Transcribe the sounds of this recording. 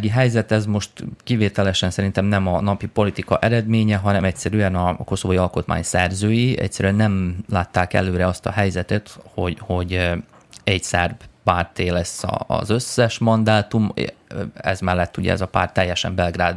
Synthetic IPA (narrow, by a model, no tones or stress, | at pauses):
ɡiɦɛjzɛt̪ɛzmo̞ʃt̪kiveːt̪ɛlɛʃɛnsɛɾint̪ɛmnɛmɒnɒpipo̞lit̪ikɒʔɛɾɛd̪meːɲɛɦɒnɛmɛc̚sɛɾyɛnɒko̞sovojiɒlko̞t̪ma̰ːɲsɛrzøːjiʔɛ̰csɛɾyɛnːɛmlaːt̪ːaːkɛ̰løːɾɛɒst̪ɒɦɛjzɛt̪ɛt̪ho̞ɟho̞ɟ | ɛɟsɛrbpaːrt̪eːlɛsːɒ̰ːzø̞sːɛʃmɒnd̪aːt̪um̰ | ɛ̰zmɛlːɛt̪ːuɟɛ̰ɛ̰zɒpa̰ːrt̪ɛjːɛʃɛ̰mbɛlɡraːd̪